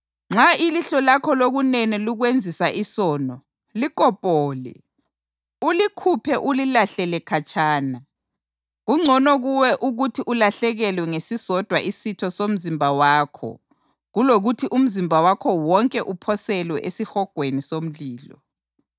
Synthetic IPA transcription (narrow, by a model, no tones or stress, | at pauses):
ŋ͡ǁailiɬɔlakʰɔloɣuneniluɣwend͡zʱisaʔisɔːnɔ | likʼɔpʼɔːlɛ̰ | ulikʰupʰɛʔulilaɬɛlɛkʰat͡ʃʰʼaːna | ɣuŋ͡ǀʱɔnɔɣuwɛʔuɣutʰiʔulaɬɛɣɛlwɛŋesisɔd̥ʱwaʔisitʰɔsom̩zimbʱawaːkʰɔ̰ | ɣuloɣutʰiʔum̩zimbʱawakʰɔwɔŋkʼɛʔupʰɔsɛlwɛʔesihɔɡ̥ʱwenisom̩liːlɔ̰